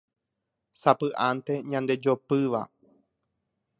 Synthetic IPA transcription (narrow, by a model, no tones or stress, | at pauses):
sapɨʔant̪e̞ɲãnd̪e̞d͡ʒopɨʋa̰